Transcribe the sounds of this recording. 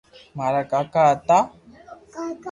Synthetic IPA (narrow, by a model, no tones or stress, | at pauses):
maɾakakat̪a